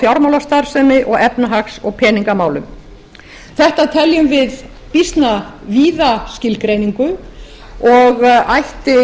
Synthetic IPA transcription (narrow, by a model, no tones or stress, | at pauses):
fjawɾmawlast̪aɾ̥sɛːmɪʔɔɣɛpnaɦaksɔɣpʰɛːniŋkamaːwlʏm | θɛht̪at̪ʰɛljʏmvɪð | pist̪naviːðascɪlkɾejniŋkʏ | ɔɣajht̪ɪ